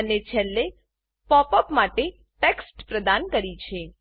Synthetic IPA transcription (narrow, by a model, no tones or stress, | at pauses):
ənet͡ʃʰelːe | pɔpəpmaʈe | ʈeksʈpɾəd̪ankəɾit͡ʃʰe